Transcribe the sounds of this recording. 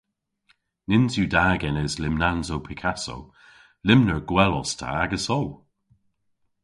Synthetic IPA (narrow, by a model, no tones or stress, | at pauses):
nɪnzjudaːɡɛnəzlɪmnanzowpʰɪkʰaso̰w | lɪmnəɹɡwɛlɔstʰa̰aɡəsɔw